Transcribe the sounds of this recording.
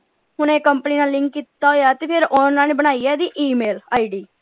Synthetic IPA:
ɦʊnẽːkəmpəniːnaːlːɪ̃ŋkːiːt̪ːaːɦoːjaːt̪eːpʰɪɾonãːneːbəɽ̃aːiɛːd̪iːʔiːmeːlaːiːɖiː

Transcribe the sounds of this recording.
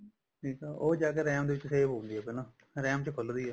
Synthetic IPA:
ʈʰiːkaːʔoːd͡ʒaːk̬eɾɛːmd̪eːʋɪt͡ʃːseːbɦõːnd̪iɛːpenãː | ɾɛːmt͡ʃəkʰʊld̪iːaː

